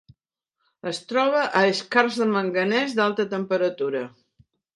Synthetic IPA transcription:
əst̪ɾɔβ̞əʔəeskarzðəməŋɡənɛzd̪alˠt̪ət̪əmpəɾət̪uɾə

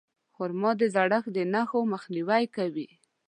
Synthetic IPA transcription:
xʊɾmɑd̪əzaɽaxd̪ənaxoməxniwajkawi

